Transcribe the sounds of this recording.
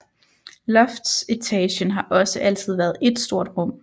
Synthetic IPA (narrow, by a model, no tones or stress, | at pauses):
lɒfd̥set͡sʰɛːɕənɦɑ̈ʔɒ̽səʔæl̰t͡sʰið̞̰ˠʋæːɐð̞̩ˠe̝d̥sd̥o̝ɐ̰d̥ʁɔ̽m̰